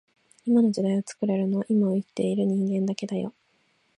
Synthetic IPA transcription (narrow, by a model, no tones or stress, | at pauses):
imano̞d͡ʑid̪aiɡat͡sɨ̥kɯ̟ɾaɾɯ̟no̞βaʔimaoit̪ːe̞iɾɯ̟ɲ̟ĩŋɡẽ̞nd̪ake̞d̪ajo̞̰